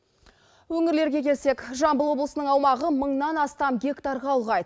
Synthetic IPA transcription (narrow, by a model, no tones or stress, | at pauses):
wɵŋɪɾle̞ɾɡʲe̞kʲʰe̞lse̞kʒɑmbəlˠwo̞blˠəsənəɴɑwmɑʁəməɴnɑnɑst̪ɑmɡʲe̞kt̪ɑɾʁɑlˠʁɑjd̪